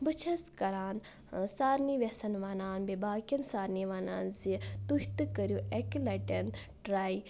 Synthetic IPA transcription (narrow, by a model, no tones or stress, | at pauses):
bɨt͡ʃʰɐskɐɾaːn | saːɾniʋesɐnʋaːnaːnbebaːkʲɐnsaːɾniʋana̰ːnzit̪uht̪ɨkəɾjuʔeklɐʈɐn | ʈɾaːi